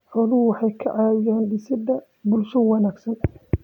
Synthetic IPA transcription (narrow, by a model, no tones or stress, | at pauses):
ʕɔðʊwɑħɑjkʰɐʕɑːɛːnɖɪsɪd̪ɐ | bʊlʃɐwɑnaːɡsɐn